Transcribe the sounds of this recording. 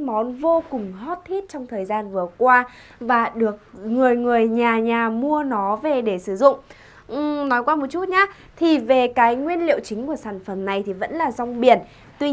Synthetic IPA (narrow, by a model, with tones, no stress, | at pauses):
mɔ˨˦nvo˧kʊ˨˩ŋ͡mɦɔ˦˥t̚t̪ʰi˦˥t̚t͡ɕɔ˧wŋ͡mt̪ʰəː˨˩jzaː˧nvɨ˨˩əkwaː˧ | vaː˨˩ɗɨ˨˩ək̚ŋɨ˨˩əjŋɨ˨˩əjɲaː˨˩ɲaː˨˩mu˧ənɔ˨˦ve˨˩ɗe˧˩sɨ˧˩zʊ̰˧˨ŋ͡m | ʔnɔ˨˦jkwaː˧mo˨˩t̚t͡ɕu˦˥t̚ɲaː˨˦˥ | t̪ʰi˨˩ve˨˩kaː˨˦jŋwi˧ənlḭ˧˨əwt͡ɕï˨˦ŋ̟ku˧˩əsaː˧˩nfə˨˩mna˨˩jt̪ʰi˨˩və̰˧˥nlaː˨˩zɔ˧wŋ͡mɓi˨˧˩ən | t̪wi˧